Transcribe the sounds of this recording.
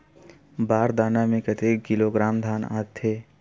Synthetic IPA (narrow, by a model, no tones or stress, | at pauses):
baːɾd̪aːnamẽkət̪eːkɪloɡɾaːmd̪ʱaːna̰ːt̪ʰːeː